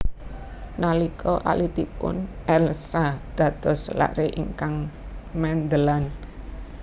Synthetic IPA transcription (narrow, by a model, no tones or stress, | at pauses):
nalikʰɔʔa̰lit̪ipʊ̰nʔɛlsad̪̥ä̤d̪̥ɔ̤sla̰ʔɾeʔḭŋkaŋmɛnd̪əlan